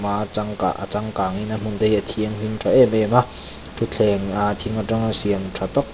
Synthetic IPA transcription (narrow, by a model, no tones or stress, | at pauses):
mat͡saŋka̰ʔa̰t͡saŋkaːŋinam̥und̪ejʔat̪ʰiəŋɦintʰaʔɛmɛma | t̪ʰut͡ɬʰɛŋat̪ʰiŋataŋasiəŋtʰat̪ɔk̚